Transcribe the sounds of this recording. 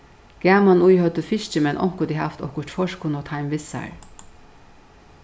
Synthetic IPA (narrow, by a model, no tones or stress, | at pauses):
ɡ̥æːmanujhœt̪əfɪʃt͡ʃəmɛnʔɔ̰ŋkʊd̪iɦaft̪ɔ̰kə̥t̪fɔʃkʰʊnɔt̪ʰaɪmʋɪsa̰ɹ